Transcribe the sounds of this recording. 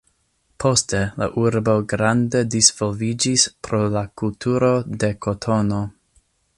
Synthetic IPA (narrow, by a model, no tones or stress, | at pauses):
pʰo̞stela̰ʔuɾbo̞ɡɾande̞disv̥olvid͡ʒispɾo̞lakultʰuɾo̞de̞kʰotʰono̞